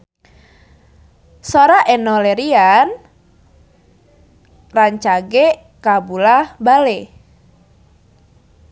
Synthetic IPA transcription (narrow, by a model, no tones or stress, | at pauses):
soɾaʔɛnɔlɛɾian | raɲt͡ʃaɡɛ | kabulabalɛ